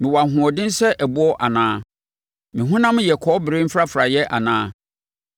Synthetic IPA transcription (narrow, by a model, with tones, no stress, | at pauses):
mɪ̃˨wa˨ɦʊ̃˨ɔ˨dɪ̃˦n˦sɛ˦ʔæ˨bu˦ɔ˦ʔa˨nãː˦ | mɪ̃˨ɦʊ̃˦nã˦m˦jɛ˨kʰɔ˨˦bɪ˨ɾe˦m̩˦fɾa˦fɾa˨jɛ˦ʔa̰˨nãː˦